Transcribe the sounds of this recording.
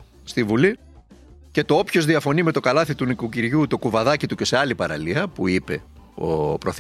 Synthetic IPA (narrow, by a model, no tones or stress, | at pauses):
st̪ivuli | ce̞t̪o̞opço̞zðiɐfo̞nime̞t̪o̞kɐlɐθit̪unikuciɾʝut̪o̞kuvɐðɐcit̪uce̞seɐlipɐɾɐ̰liɐpuipe̞ | o̰pɾo̞θ